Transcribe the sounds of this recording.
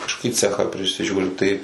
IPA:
kɐʃkoːˈkʲiː ˈt͡sʲæːxɑː pʲrʲɪsʲɪˈʒʲuːrʲɪ tɐɪ

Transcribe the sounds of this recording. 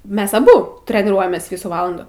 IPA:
ˈmʲɛs ɐˈbʊ tʲrʲɛnʲɪˈruɔjɛmʲeːs ˈʋʲiːsuː ˈʋɑːlˠɐnduː

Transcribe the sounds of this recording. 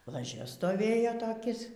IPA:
lˠɐˈʒʲɛ stoːˈʋʲeːjoː toːˈkʲɪs

